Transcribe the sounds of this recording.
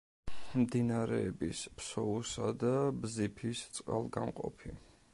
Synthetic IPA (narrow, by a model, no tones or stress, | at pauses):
md̪inaɾɛːbispsɔusad̪abzipʰist̪sʼqʼa̰lˠɡanqʼɔ̰pʰi